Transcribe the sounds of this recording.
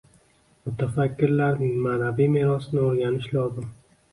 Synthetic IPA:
mʊt̪ʰafakʲːɪɾlaɾnɪŋmanabijmeɾɒsnɪoɾɡʲanɪʃlɒzɪm

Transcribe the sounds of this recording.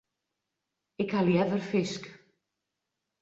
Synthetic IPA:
ɪkhaljɛvərfɪsk

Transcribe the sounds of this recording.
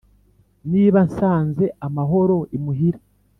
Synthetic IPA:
niːβansaːnze̞amaɦo̞ɾo̞imuɦiɾe

